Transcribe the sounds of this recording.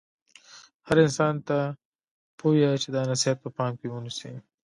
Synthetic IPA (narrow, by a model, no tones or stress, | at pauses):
haɾɪnsɑnt̪a | pʰojat͡ʃed̪ɑnasiat̪̚pəpɑːmkewunisḭ